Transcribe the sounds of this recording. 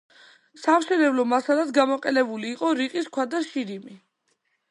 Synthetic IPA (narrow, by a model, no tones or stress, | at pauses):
samʃɛnɛblɔmasalad̪ɡamɔqʼɛnɛbuliːqʼɔɾiqʼiskʰwad̪aʃiɾimi